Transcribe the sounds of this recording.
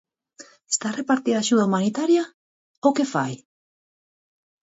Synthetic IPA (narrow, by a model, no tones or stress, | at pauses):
est̪arepaɾt̪iðaːʃuð̞aumanit̪aɾja | okefaj